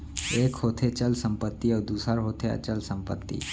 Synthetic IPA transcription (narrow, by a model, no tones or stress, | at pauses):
eːkɦoːt̪ʰet͡ʃəlsə̃mpət̪ːiəɾd̪uːsəɾɦoːt̪ʰeə̰t͡ʃəlsəmpət̪ːḭː